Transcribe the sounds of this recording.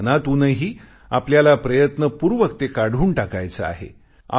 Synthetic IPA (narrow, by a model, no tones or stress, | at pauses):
nat̪unəɦiː | apljalapɾəjət̪nəpuɾʋəkt̪ekaɽ̤uːɳʈakajt͡səa̰ɦḛ | a̰